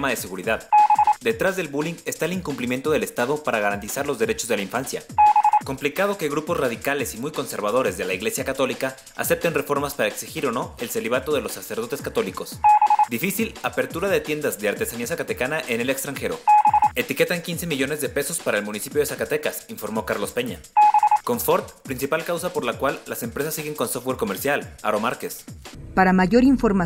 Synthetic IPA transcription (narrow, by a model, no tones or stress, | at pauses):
maðe̞se̞ɣuɾiðaðd̪e̞t̪ɾazðe̞lβuliŋɡe̞st̪aeliŋkumplimje̞nt̪o̞ð̞e̞le̞st̪aðo̞paɾaɣaɾant̪isaɾlo̞zðe̞ɾe̞t͡ʃo̞zðe̞laĩɱfansja̰ko̞mplikað̞o̞ke̞ɣɾupo̞zraðikale̞simujko̞nse̞ɾβaðo̞ɾe̞zðe̞laiɣle̞sjakat̪o̞lika | a̰se̞p̚t̪e̞nre̞fo̞ɾmaspaɾaeksixiɾo̞no̞e̞lse̞liβ̞at̪o̞ðe̞lo̞sːase̞ɾð̞o̞t̪eskat̪o̞liko̞sd̪ifisilape̞ɾt̪uɾaðe̞t̪je̞nd̪azðeaɾt̪e̞saniasakat̪ekanaʔene̞le̞kst̪ɾaŋxe̞ɾo̞̰e̞t̪ike̞t̪aŋkinse̞miʝo̞ne̞zðe̞pe̞so̞spaɾaelmũnisipjoðesakat̪e̞kasiɱfo̞ɾmo̞kaɾlo̞spe̞ɲa | ko̞ɱfo̞ɾt̪pɾinsipalkawsapo̞ɾlakwalːase̞mpɾe̞sasːiɣe̞ŋko̞nsoft̪weɾko̞me̞ɾsjala̰ɾo̞maɾke̞spaɾamaʝo̞ɾiɱfo̞ɾma